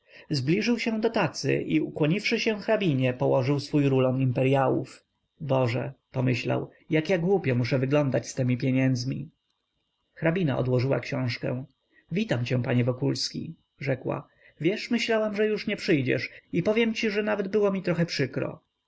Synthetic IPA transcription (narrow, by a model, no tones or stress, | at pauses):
zblʲiʐɘwɕɛ̃d̪ɔt̪at̪sɘ̰ʔiukwɔɲifʂɘɕɛ̃xɾabʲiɲɛpɔwɔʐɘwsfujɾulɔnimpɛɾjawṵf | bɔʐɛ̰pɔmɘɕla̰w | jakjaɡwupʲjɛmuʂɛvɘɡlɔnd̪at͡ɕst̪ɛmʲipʲjeɲɛnd̪zmʲḭ | xɾabʲina̰ʔɔ̰d̪wɔʐɘwa̰kɕɔ̃w̃ʂkɛ̰̃w̃ | vʲit̪amt͡ɕɛ̃paɲɛvɔkulskʲḭ | ʐɛkwa̰ | vʲjɛʂmɘɕlawamʐɛjuʂɲɛpʂɘjd͡ʑɛ̰ʂipɔvʲjɛmt͡ɕiʐɛnavɛd̪̚bɘwɔmʲit̪ɾɔxɛpʂɘkɾɔ̰